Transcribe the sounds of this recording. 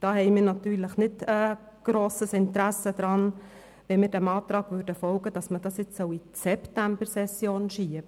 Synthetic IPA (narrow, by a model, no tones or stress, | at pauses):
d̥ɑːɦɛɪmɪːɾnɑt̪yːɾləχnɪtə | ɡ̥ɾoːsəsɪnt̪ɾæsəd̥̪ɾɑn | ʋɛmɪːɾdɛmɑːt̪ɾɑːɡ̥ʋʉːɾdəfɔlɡəd̥ɑsməd̥ɑsjɪt͡ssɔisɛptæmb̥əɾsɛsjoːnʃiəbə